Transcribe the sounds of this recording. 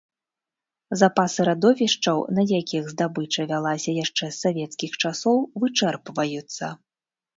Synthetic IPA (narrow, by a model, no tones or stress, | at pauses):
zapasɨɾad̪ɔvʲiʂt͡ʂɐwnɐjakʲiɣzd̪abɨt͡ʂɐvʲalˠasʲɐjaʂt͡ʂɛsːavʲɛt̪skʲixt͡ʂasɔwvɨt͡ʂɛrpvɐjut̪sːɐ̰